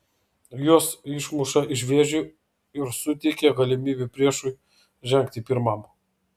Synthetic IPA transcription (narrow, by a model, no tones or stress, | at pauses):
juɔsɪʃmʊʃɐʔɪʒʲʋʲeʒʲʊ | ɪɾsʊt̪ʲɛɪkʲeɡɐlʲɪmʲiːbʲɪpʲɾʲiɛʃʊɪ | ʒʲɛŋʲk̚t̪ʲɪpʲɪɾmɐm